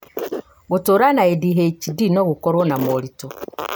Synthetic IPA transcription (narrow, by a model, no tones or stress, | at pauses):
ɡutuɾanaediɦecidinoɣukoɾonamoɾito